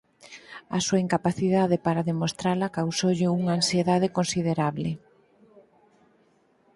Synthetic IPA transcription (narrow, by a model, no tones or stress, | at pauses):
asuaiŋkapaθiðaðepaɾaðemost̪ɾalakawsowʎɪuŋaːnsieðaðekonsiðeɾaβle